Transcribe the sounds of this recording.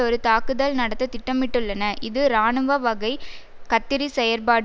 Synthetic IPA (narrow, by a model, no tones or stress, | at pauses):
ɔɾɯt̪aːkɯðɐlnɐɽɐt̪ːɐt̪ɪʈːɐmɪʈːɯɭːɐnɐʔɪðɯɾaːɳɯʋɐʋɐɣɐɪ | kɐt̪ːɪɾisɛjɐɾpaːɽ